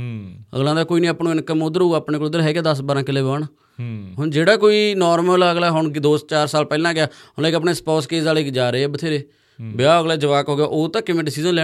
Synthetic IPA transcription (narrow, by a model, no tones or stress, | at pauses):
ə̰ɡlãːd̪aːkoːiːnĩːəpnõːɪnkəmod̪əɾɦuːaːpɳeːkolʊd̪əɾɦɛːkeːd̪əsbaːɾãːkɪleːbaːɳː | ɦʊɳd͡ʒeːɽaːkoːiːnoːɾməlaːəɡlaːɦʊɳd̪oːst͡ʃaːɾsaːlpɛːlãːɡɪjaːɦʊlɛːkəpɳeːspɔːskeːsaːleːd͡ʒaːɾeːɛːbət̪ʰeːɾeː | bɪjaːəɡlɛːd͡ʒəʋaːkɦoːɡɪjaːʔoːt̪ãːkɪmẽːɖɪsiːzənlɛː